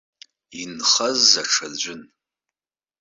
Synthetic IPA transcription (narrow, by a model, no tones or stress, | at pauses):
inχɐzaʈ͡ʂʰad͡ʑʷʊn